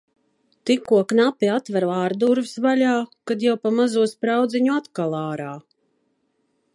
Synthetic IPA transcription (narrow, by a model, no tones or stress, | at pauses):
t̪ikːuɔknapiat̪vaɾaːɾd̪uɾvsvaʎʲaːkad̪jawpamazuɔspɾawd̪ziɲuat̪kalˠaːɾaː